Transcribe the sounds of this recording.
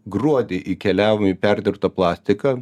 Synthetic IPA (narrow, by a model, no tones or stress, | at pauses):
ɡɾuɔd̪ʲeʔiːkʲɛlʲæːʋomɪpʲæɾʲd̪ʲɪɾpt̪ɐplˠɑːsʲt̪ʲɪkɐ